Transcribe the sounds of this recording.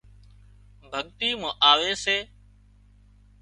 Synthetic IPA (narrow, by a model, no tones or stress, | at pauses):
bʱəɠt̪iːmə̃ʔaːʋeːseː